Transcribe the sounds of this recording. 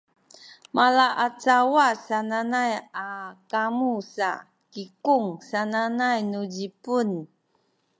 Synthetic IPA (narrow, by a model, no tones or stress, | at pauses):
malaʔat͡sawasananajakamusa̰ | kikuŋsananajnud͡ʑipun